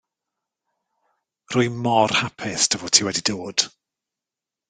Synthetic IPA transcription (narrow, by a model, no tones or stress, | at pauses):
rʊjmɔrhapʰɪstʰəvoːtʰiːwɛdidoːd̥